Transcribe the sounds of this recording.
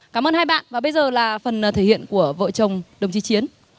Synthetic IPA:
kaː˧˩mʔəː˧nhaː˧jɓa̰ː˧˨nvaː˨˩ɓə˧jzəː˨˩laː˨˩fə˨˩n˨t̪ʰe˧˩hḭ˧˨ənku˧˩əvə̰ː˧˨t͡ɕə˨˩wŋ͡mɗə˨˩wŋ͡mt͡ɕi˨˦t͡ɕi˨˦ən

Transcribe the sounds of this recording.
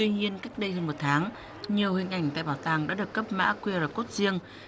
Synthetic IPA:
t̪wi˧ɲi˧ənkaː˦˥k̚ɗə˧jhəː˧nmo˨˩t̚t̪ʰaː˨˦ŋ | ɲi˨˩əwhï˨˩ŋ̟ʔa˧˩jŋ̟t̪a̰ː˧˨jɓaː˧˩wt̪aː˨˩ŋɗa̰ː˧˥ɗɨ˨˩əkːə˦˥p̚ma̰ː˧˥kwi˧əɾəː˨˩ko˦˥t̚zi˧əŋ

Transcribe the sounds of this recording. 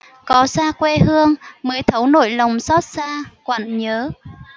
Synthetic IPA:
kɔ˨˦saː˧kwe˧hɨ˧əŋməː˨˦jt̪ʰə˨˦wno̰˧˨jlə˨˩wŋ͡msɔ˦˥t̚saː˧kwə̰˧˨nɲəː˨˦

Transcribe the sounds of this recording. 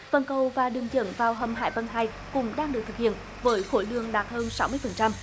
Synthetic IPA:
fə˧˩nkə˨˩wvaː˨˩ɗɨ˨˩əŋt͡ɕɨ̰˧˩əŋvaː˨˩wɦə˨˩mɦa̰ː˧˩jva˧ŋɦaː˧˩j | kʊ̰˧˥ŋ͡mɗaː˧ŋɗɨ˨˩k̚t̪ʰɨ˨˩k̚hḭ˧˨ən | vəː˨˦jxo˧˩jlɨ̰˧˨əŋɗaː˨˩t̚həː˧nsa˨˦wmɨ˧əjfə˨˩nt͡ɕa˧m

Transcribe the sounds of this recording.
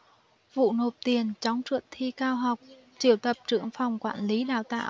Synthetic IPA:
vṵ˧˨no˨˩p̚t̪i˨˩ənt͡ɕɔ˨˦wŋ͡mt͡ɕwə̰˧˨˩nt̪ʰi˧kaː˧wɦa˨˩wk͡p̚ | t͡ɕi˧˩əwt̪ə˨˩p̚t͡ɕɨ̰˧˨əŋfa˨˩wŋ͡mkwaː˧˩nli˨˦ɗa̰ː˧˨˩wt̪a̰ː˧˨

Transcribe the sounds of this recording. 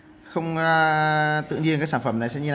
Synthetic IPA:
xə˧wŋ͡m | t̪ɨ̰˧˨ŋɲi˧ənkaː˦˥ksaː˧˩nfə˧˩mna˨˩jsɛ̰˧˥ɲi˧˩˨

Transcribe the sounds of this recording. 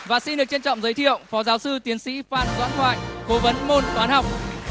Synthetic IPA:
vaː˨˩si˧nɗɨ˨˩ək̚t͡ɕe˧nt͡ɕɔ̰˧˨ŋ͡mzəː˨˦jt̪ʰḭ˧˨əwŋ͡mfɔ˨˦zaː˨˦wsɨ˧t̪i˨˦ənsḭ˧˥faː˧˩nzwa̰ː˧˥nt̪ʰwa̰ː˧˨jko˨˦və˨˦nmo˧nt̪waː˨˦nha˨˩wk͡p̚

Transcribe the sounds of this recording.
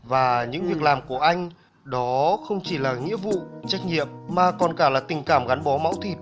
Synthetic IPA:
vaː˨˩ɲɨ̰˧˥ŋvi˨˩ək̚laː˨˩mku˧˩əʔa˧jŋ̟ | ɗɔ˨˦xə˧wŋ͡mt͡ɕi˧˩laː˨˩ŋḭ˧˥əvṵ˧˨t͡ɕa˦˥jk̟̚ɲḭ˧˨əmːaː˨˩kɔ˨˩nkaː˧˩laː˨˩t̪ï˨˩ŋ̟kaː˧˩mɣa˨˦nɓɔ˨˦ma̰˧˥wt̪ʰi˧˩p̚

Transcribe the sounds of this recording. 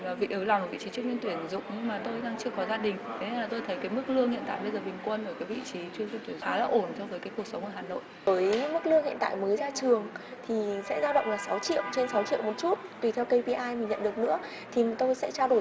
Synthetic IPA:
aː˨˩vḭ˧˨ʔɨ˨˦lm˨˩vḭ˧˨t͡ɕi˨˦ɨ˦ək̚ɲi˧nt̪wi˧˩ənzʊ̰˧˨ŋ͡mɲɨ˧ŋmaː˨˩t̪o˧jɗaː˧ŋt͡ɕɨ˧əkɔ˨˦zaː˧ɗï˨˩ŋ̟t̪ʰe˨˦ɲə˧nlaː˨˩t̪o˧jt̪ʰə˨˦jkaː˨˦jm˦˥k̚lɨ˧əŋhḭ˧˨nt̪a̰ː˧˨jɓə˧jzəː˨˩ɓï˨˩ŋ̟kwə˧nʔə˧˩kaː˨˦jvḭ˧˨t͡ɕi˨˦t͡ɕɨ˧əɲi˧nt̪wi˧˩ə˨aː˨˦la̰ː˨˩ʔo˧˩nt͡ɕɔ˧wvəː˨˦jka˨˦jku˨˩ək̚sə˨˦wŋ͡mʔəː˧˩ɦaː˨˩no̰˧˨j | vəː˨˦jmɨ˦˥k̚lɨ˧əŋhḭ˧˨nt̪a̰ː˧˨jməː˨˦jzaː˧t͡ɕɨ˨˩əŋt̪ʰi˨˩sɛ̰˧˥zaː˧wɗə̰˧˨ŋ͡mlaː˨˩sa˨˦wt͡ɕḭ˧˨əwt͡ɕe˧nsa˨˦wt͡ɕḭ˧˨wmo˨˩t̚t͡ɕu˦˥t̚t̪wi˨˩t̪ʰɛ˧wkə˧jvi˧ʔaː˧jmï˨˩ŋɲə̰˧˨nɗək̚nɨ̰˧˥ə | t̪ʰi˨˩t̪o˧jsɛ̰˧˥t͡ɕaː˧wɗo˧˩

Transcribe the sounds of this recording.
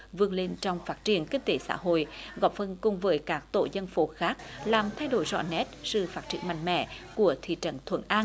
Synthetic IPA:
vɨ˧˩əŋle˧nt͡ɕɔ˧wŋ͡mfaː˦˥t̚t͡ɕi˧˩ənkï˧ŋ̟t̪e˨˦sa̰ː˧˥ɦo̰˧˨jɣɔ˨˩p̚fə˧nkʊ˨˩ŋ͡mvəː˨˦jkaː˦˥k̚t̪o̰˧˨zə˧nfo˨˦xaː˦˥k̚laː˨˩mt̪ʰa˧jɗo˧˩jzɔ̰˧˨nɛ˦˥t̚sɨ̰˧˨˩faː˦˥t̚t͡ɕi˧˩ənma˧˨jŋ̟mɛ̰˧˨ku˧˩ət̪ʰḭ˧˨t͡ɕə̰˧˨˩nt̪ʰwə̰˧˩˦nʔaː˧n

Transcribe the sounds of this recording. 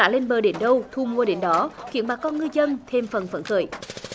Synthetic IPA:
aː˧˥le˧nɓəː˨˩ɗe˨˦nɗə˧wt̪ʰu˧mu˧˩əɗe˨˦nɗɔ˨˦ki˧˥ənɓaː˨˩kɔ˧nŋɨ˧jzə˧nt̪ʰe˧mfə˨˩nfə˧˩nxə̰ː˧˩j

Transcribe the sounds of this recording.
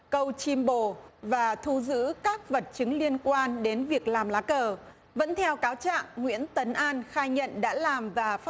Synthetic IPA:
kə˧wt͡ɕi˧mɓo˧˩vaː˨˩t̪ʰu˧zɨ̰˧˥kaː˦˥k̚və˨˩t̚t͡ɕɨ˨˦ŋli˧ənkwaː˧nɗe˨˦nvi˨˩ək̚laː˨˩mlaː˨˦kəː˨˩ | və̰˧˥nt̪ʰɛ˧wkaː˨˦wt͡ɕa̰ː˧˨ŋŋwḭ˧˥ənt̪ə˨˦nʔaː˧nxaː˧jɲə̰˧˨nɗa̰ː˧˥laː˨˩mvaː˨˩f

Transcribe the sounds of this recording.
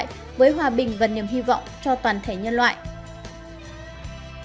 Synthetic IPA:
j | vəː˨˦jɦwaː˨˩ɓï˨˩ŋ̟vaː˨˩ni˨˩mɦi˧vɔ̰˧˨wŋ͡mt͡ɕɔ˧t̪waː˨˩nt̪ʰe˧˩ɲə˧nlwa̰ː˧˨jʔ

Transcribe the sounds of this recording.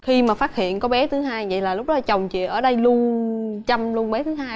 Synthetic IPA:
xi˧maː˨˩faː˦t̚hḭ˧˨ənkɔ˨˦ɓɛ˨˦t̪ʰɨ˨˦ɦaː˧jvə̰˧˨jlaː˨˩lʊ˦˥k͡p̚ɗɔ˨˦t͡ɕə˨˩wŋ͡mt͡ɕḭ˧˨ʔəː˧˩ɗə˧jlu˧ənt͡ɕa˧mlu˧ənɓɛ˨˦t̪ʰɨ˨˦ɦaː˧j

